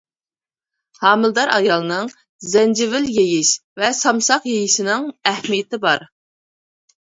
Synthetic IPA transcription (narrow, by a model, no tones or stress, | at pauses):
hɑːmɨlˠd̪ɑɾɑjɑlˠɨnɨŋ | zɛnd͡ʒɪvɪljejɪʃvɛsɑmsɑqjejiʃɪnɪŋɛhmijɪt̪ɪbɑɾ